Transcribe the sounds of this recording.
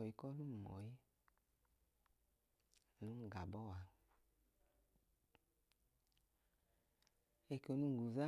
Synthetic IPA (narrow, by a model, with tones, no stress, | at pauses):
ɔ˨ji˨kɔ˦lu˦m˨mɔ̰˨ji˦˨ | nu˦ŋ˨ɡa˨bɔ˦˨wa˨ | e˧˨ko˨nu˧˨ɡu˨za˦